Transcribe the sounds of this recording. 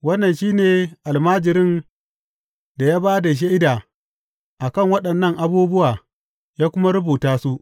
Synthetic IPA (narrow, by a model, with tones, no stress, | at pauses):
wɐ˦nːɐ˨nʃiː˦neː˨ʔa˨lmaː˦d͡ʒɪ˨ɾɪ˦˨n | da˨jaː˦baː˦da˨ʃ̬a˦ʔɪ˦daː˨ | ʔa˨kɐ˦˨ŋwɐ˦ɗɐ˨nːɐ˦˨ŋʔa˨buː˦bʊ˦waː˨ | jaː˦kʷʊ˦ma˦ɾʊ˦buː˨taː˦su˦ʔ